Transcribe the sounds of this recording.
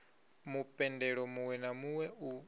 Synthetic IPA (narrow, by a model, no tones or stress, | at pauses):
mupʼɛndɛɺɔmuwɛnamuwɛu